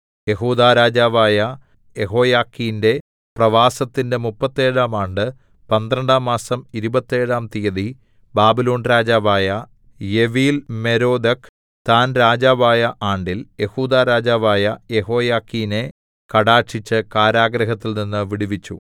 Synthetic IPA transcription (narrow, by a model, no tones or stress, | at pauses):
je̞ɦuːd̪aːɾaːd͡ʑaːʋaːjɐ | jeɦo̞ːjaːkːijnde̞ | prɐʋaːsɐt̪ːinde̞mupːɐt̪ːe̞ːɻaːmaːɳɖɨ | pɐnd̪ɾɐɳɖaːmːaːsɐmiɾubɐt̪ːe̞ːɻaːmt̪ijɐði | baːbilo̞ːnɾaːd͡ʑaːʋaːjɐ | jeʋiːlme̞ɾo̞ːd̪ɐk | t̪aːnɾaːd͡ʑaːʋaːjɐʔaːɳɖilje̞huːd̪aːɾaːd͡ʑaːʋaːjɐje̞ho̞ːjaːkːijne̞ | kɐɽaːʈʂit͡ɕːɨkaːɾaːɡɾɐɦɐt̪ːilninːɨʋiɽiʋit͡ɕːṵ